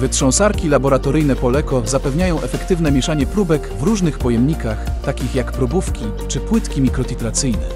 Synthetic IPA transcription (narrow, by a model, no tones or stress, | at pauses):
vɘtʂɔ̃w̃saɾkʲilabɔɾat̪ɔɾɘjnɛpɔlɛkɔzapɛvɲajɔ̃w̃ʔɛfɛkt̪ɘvn̪ɛmʲjɛʂaɲɛpɾubɛkvɾuʐnɘxpɔjɛmɲikaxt̪akʲixjakpɾubufkʲi | t͡ʂɘpwɘt̪kʲimʲikɾɔt̪ʲit̪ɾat̪sɘjnɛ̰